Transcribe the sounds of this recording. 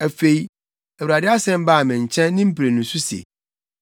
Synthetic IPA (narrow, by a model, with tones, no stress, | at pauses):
æ˨fe˨i˦ | æ˨wɾa˨dɪ˦a˦sɛ̃˦m˦baː˦˨mɪ̃˨ɲ̩˨t͡ɕʰɛ̃˦nː˦ɪ̃˦m̩˦pi˨ɾe˨nũ˨sʊ˦si˨ḛ˨